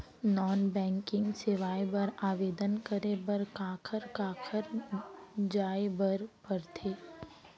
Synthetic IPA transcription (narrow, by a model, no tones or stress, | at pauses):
nɔːnbɛ̃ːŋkɪ̃ŋɡseʋaːjbəɾaːʋeːd̪ənkəɾebɐɾkaːkʰəɾkaːkʰəɾ | d͡ʒaːebəɾpəɾt̪ʰeː